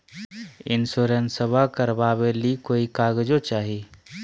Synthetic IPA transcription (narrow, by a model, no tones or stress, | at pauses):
ɪ̰nsoːɾənsəbʱakəɾbaːbelikoːikaːɡd͡ʒot͡ʃaːɦiː